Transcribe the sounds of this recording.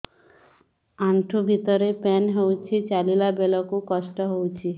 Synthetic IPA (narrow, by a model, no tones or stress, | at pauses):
aɳʈʰubʱit̪ɔɾepɛnɦewt͡ʃʰit͡ʃalilabelɔkukɔsʈɔɦowt͡ʃʰi